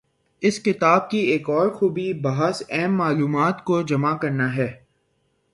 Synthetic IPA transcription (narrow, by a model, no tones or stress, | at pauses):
ɪskɪt̪aːb̚kieːkɔːɾxuːbibaɦəsɛɦmːaːluːmaːt̪kod͡ʒɐmakɐɾnaɦɛː